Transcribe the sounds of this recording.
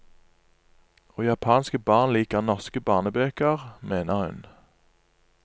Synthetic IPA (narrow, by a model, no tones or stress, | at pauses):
oːjɑpʰɑːnskəbɑːʁnliːkəʁnɔʁskəbɑːʁnəbøːkəʁmeːnəʁhʉ̰n